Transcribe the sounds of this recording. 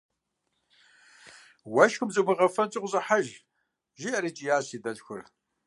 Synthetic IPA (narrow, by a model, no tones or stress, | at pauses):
wɐʃxʷʊmzɨmɨʁɐfɐnt͡sʼɪqʷʊzɨħaʒ | ʒiɐɾit͡ʃʼijaːɕiːdɐɮxʷʊr